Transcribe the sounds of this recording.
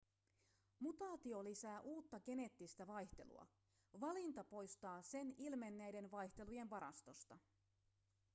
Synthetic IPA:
mut̪ɑːt̪io̞lisæːʔuːt̪ːɑɡ̥e̞ne̞t̪ːist̪æʋɑjçt̪e̞̰lṵɑ̰ | ʋɑlint̪ɑpo̞jst̪ɑːse̞nilme̞nːæjde̞nʋɑjçt̪e̞luje̞nʋɑɾɑ̰st̪o̞st̪ɑ

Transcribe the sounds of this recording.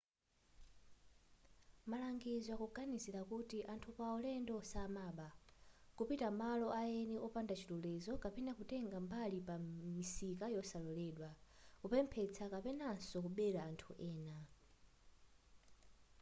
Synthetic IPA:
malaŋɡizwakuɡanisiɾakutiʔantʰupaɔlɛndɔsamaːɓakupitamalɔʔajɛniʔɔpandat͡ʃʰitulɛzɔkapɛnakutɛŋɡambalipamisikajɔsalɔlɛɗwakupɛmpʰɛt͡sʰakapɛnansɔkuɓɛɾaːntʰuʔɛːna

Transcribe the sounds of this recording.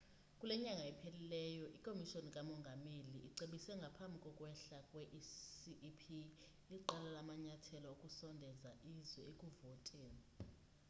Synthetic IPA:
kʼulɛɲaŋʱaɛpʰelilɛːjɔʔikʼomiʃonikʼamɔŋɡʱameliiǀeɓisɛŋɡʱapʰambʱikʼɔkʼwɛɬakʼwɛʔiʔpʰi | iǃalalamaɲatʰɛlɔukʼusɔndʱɛzaʔizwɛekʼuvɔtʼɛ

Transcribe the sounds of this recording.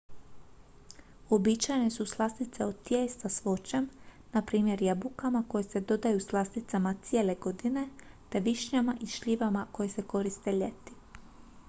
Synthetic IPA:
o̞bit͡ʃajne̞suslˠasnit̪se̞ot̪jeːst̪asʋo̞t͡ɕem | napɾiːmje̞ɾjabukamako̞jese̞d̪o̞d̪ajuslˠast̪nit̪samat̪sie̞ːle̞ɡo̞d̪ine̞t̪e̞ʋiʃɲamaʔiʃʎiʋamako̞jese̞ko̞ɾist̪e̞ʎe̞t̪i̥

